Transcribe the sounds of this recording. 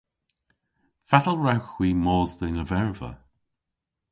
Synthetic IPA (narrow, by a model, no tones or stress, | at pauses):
fatəlˠɹawxw̥iːmɔːzdɪnəvɛɹvə̰